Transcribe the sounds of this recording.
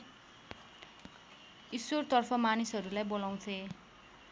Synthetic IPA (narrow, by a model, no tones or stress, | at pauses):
iswort̪ʌrpʰʌmanisɦʌɾulajbolaw̃t̪ʰe